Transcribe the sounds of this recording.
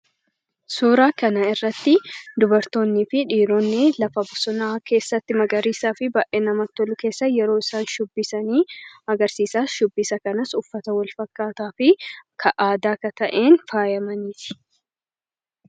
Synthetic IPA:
suːɾaːkɐnɐɪrːɐt̪ːɪd̪ʊbɐɾt̪o̞ːnːiːfɪᶑiːɾoːnːɪlɐfɐbʊsɔnaːke̞ːsːɐt̪ːɪmɐɡʼɐɾiːsaːfɪbaːʔeːnɐmɐt̪ːɔlʊke̞ːsːɐjɛɾo̞ːɪsaːnʃʊbːɪsɐniːɐɡɐɾsiːsaːsʃʊbːisɐkɐnɐsʊfːɐt̪ɐwɐlfɐkːaːt̪aːfɪkʰɐʔaːd̪aːkɐt̪ɐʔeːnfaːjɐmɐniːt̪ɪ̥

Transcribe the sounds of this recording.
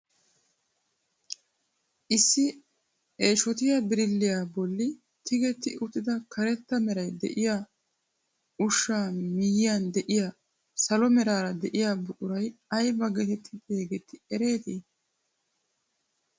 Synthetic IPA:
ʔɪsːɪ | eːʃɔt̪ɪjabɪɾɪlːɪjaːbɔlːɪ | t̪ɪɡɛt̪ːɪʔʊt̪ːɪd̪ɐkʰɐɾɛt̪ːɐmɛɾɐjd̪ɛ̰ʔɪjaː | ʊʃːaːmɪjɪjand̪ɛʔɪja | sɐlɔmɛɾaːɾɐd̪ɛʔɪjaːbʊʔʼʊɾɐjɐjbɐɡɛt̪ɛt̪ʰːɪt̪ʼeːɡɛt̪ʰːɪɛɾe̞ːt̪iː

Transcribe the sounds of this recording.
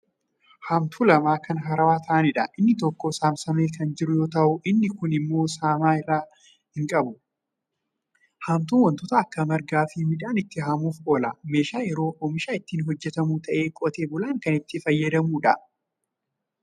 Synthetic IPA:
hɐmt̪ʰuːlɐmaːkɐnɦɐɾɐwaːt̪ʰɐʔɐnɪᶑɐʔɪnːɪt̪ɔkːoːsaːmsɐmeːkʰɐnd͡ʒɪɾʊjo̞ːt̪ɐʔʊʔɪnːɪkʊnɪmːo̞ːsaːmaːɪrːaː | hɪŋkʼɐbʊ | hɐmt̪̬uːnwɐnt̪ʊt̪ɐːkːɐmɐɾɡaːfɪmɪᶑaːnɪt̪ːɪɦaːmuːfo̞ːlame̞ːʃaːjɛɾo̞ːʔɔmɪʃaːɪt̪ːiːnɦɔd͡ʒːɛt̪ɐmuːt̪ʰɐʔe̞ːkʼɔt̪e̞ːbʊlaːŋkɐnɪt̪ːɪfɐjːɐd̪ɐmuːᶑɐ

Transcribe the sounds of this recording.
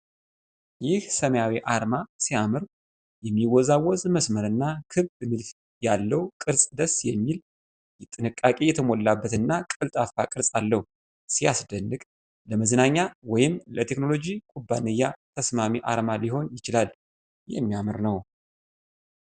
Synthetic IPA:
jɪhsəməjawiʔaɾmasiamɨɾ | jɛmːiwɔzawɔzməsməɾɨnːakʰɨβbɨmɨlt | jalːəwkʼɨɾsʼd̪əsjɛmːil | t̪ʼɨnɨkʼːakʼe̞jɛt̪ʰəmo̞lːabːət̪ɨnːakʼɨlt̪ʼafakʼɨɾsʼalːəhu | sijasd̪ənːɨkʼ | ləməznaɲːawɔjɪmlət̪ʰe̞kno̞lo̞d͡ʒikʼubːa̰nɨjːat̪ʰəsmamiʔa̰ɾmaliho̞njɪt͡ʃɪlal | jɛ̰mːijamɨɾnəw

